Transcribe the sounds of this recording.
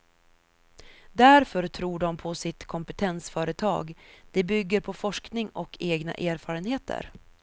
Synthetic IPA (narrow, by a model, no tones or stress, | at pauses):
d̪æɾfœɾt̪ʰɾuːɖɔmpʰɔsɪt̪kʰɔmpɛt̪ʰɛnsfœːɾət̪ʰɑ̰ːɡd̪̥ɛbʏɡːəɾpʰɔfɔʂknɪŋɔkʰeːɡna̰ʔeːɾfɑːɾənheːt̪ʰə̰ɾ